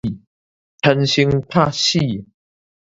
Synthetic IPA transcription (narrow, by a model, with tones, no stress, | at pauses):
tʰə˧nɕi˧˥ŋt̪ʰa˥˧ɕi˥˧˨